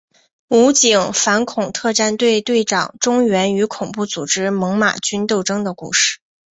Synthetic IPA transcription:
u˧˥t͡ɕi˨˩ŋfa˧˥nkʰʊ˨˩ŋt̪ʰɤ˥˧ʈ͡ʂa˥˧nt̪we˥˧ɪt̪we˥˩ɪʈ͡ʂɑ̰˨˩ŋʈ͡ʂʊ˥ŋɥɛ˧˥ny˧˥kʰʊ˨˩ŋpu˥˩t͡su˨˩ʈ͡ʂɻ̩˥mɤ˧˥ŋma̰˨˩t͡ɕy˥nt̪o˥˩ʊʈ͡ʂɤ˥ŋd̪ə˨kṵ˥˧ʂɻ̩̥˥˩

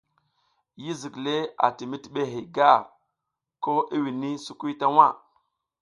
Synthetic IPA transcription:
ji˦zi˨kle˦a̰˨ti˨mi˦ti˦ɓe˦ɦi˨ɡa˦˨ | ko˦ʔi˦wi˨ni˦su˦ku˦jta˦wa˦˨

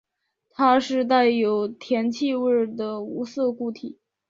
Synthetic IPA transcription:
t̪ʰa˥ʂɻ̩˥˧t̪̬a˥˩ɪjo˧˥ʊt̪ʰjɛ˧˥nt͡ɕʰi˥˧wə˥˩d̪ə˩u˧˥sɤ˥˧ku˥˩t̪ʰi˨˩˦

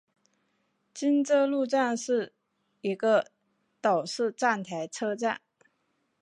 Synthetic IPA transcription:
t͡ɕi˥nt͡sɤ˥lu˥˧ʈ͡ʂa˥˧nʂɻ̩˥˩ | i˧˥ɡə˧ | t̪ɑ˨˩ʊʂɻ̩˥˧ʈ͡ʂa˥˩nt̪ʰa˧˥ɪʈ͡ʂʰɤ˥ʈ͡ʂa˥˩n

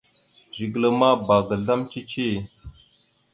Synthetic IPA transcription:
d͡ʒi˨ɡlə˨ma˦baː˨ɡə˨ɮa˦mt͡ʃi˦t͡ʃi˦

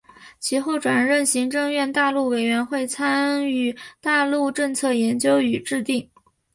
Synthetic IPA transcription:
t͡ɕʰi˧˥xo˥˩ʊʈ͡ʂwa˨˩nɻə˥˩nɕi˧˥ŋʈ͡ʂɤ˥˧ŋɥɛ˥˧nt̪a˥˧lu˥˩we˨˩ɪɥɛ˧˥nxwe˥˩ɪt͡sʰa˥ny˥˩t̪a˥˧lu˥˧ʈ͡ʂɤ˥˧ŋt͡sʰɤ˥˩jɛ˧˥nt͡ɕjo˥ʊy˨˩ʈ͡ʂɻ̩˥˧t̪i˥˩ŋ

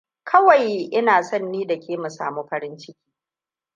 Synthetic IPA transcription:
kʰɐ˦wa˨jʔɪ˦naː˨sɔ˦nːiː˦da˨kʲeː˨mu˨sa̰ː˨muː˦ɸɐ˦ɾɪ˦nt͡ʃɪ˦kʲi̥ː˦

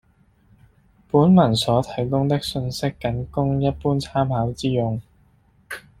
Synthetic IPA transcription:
puː˨˥nmɐ˨˩nsɔː˨˥t̪ʰɐ˨˥˩jkʊ˥ŋt̪ɪ˥k̚sɵ˧nsɪ˥kːɐ˨˥nkʊ˥ŋjɐ˥t̚puː˥nt͡sʰaː˥mhaː˨˥wt͡siː˥jʊ˧ŋ

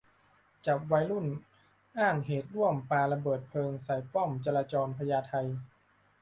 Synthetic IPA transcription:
t͡ɕa˨˩p̚wa˦˥jlu˥˩n | ʔaː˥˩ŋɦeː˨˩t̪̚ɾu˥˩əmpaː˧la˧bɤː˨˩t̪̚pʰɤː˧ŋsa˨˩˦jpɔ˥˩mt͡ɕa˧laː˧t͡ɕɔː˧npʰa˧jaː˧t̪ʰa˧j

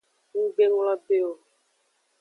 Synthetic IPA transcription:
ŋ̩˦ɡ͡be˦nũ˦la˦be˦o˨

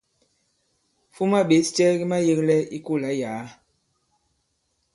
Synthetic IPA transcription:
fu˦ma˦˨ɓe˨˦st͡ʃɛ˦ɡi˦ma˦je˦klɛ˦i˦ku˦˨la˨˦jaː˨˦

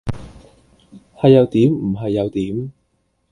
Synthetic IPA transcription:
hɐ˨jːɐ˨˧wt̪iː˨˥mm̩˨˩ɦɐ˨jːɐ˨˧wt̪iː˨˥m

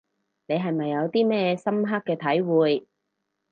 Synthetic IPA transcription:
ne˨˧jɦɐ˨˩jmɐ˨jːɐ˨˧wt̪iː˥mɛː˥sɐ˥mɦa˥kːɛː˧t̪ʰɐ˨˥jwuː˨j

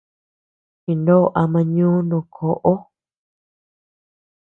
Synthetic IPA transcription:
t͡ʃi˧˨ndo˦˧˨ʔa˧mã˧ɲũː˦nũː˧˨kʰo˨ʔo˦

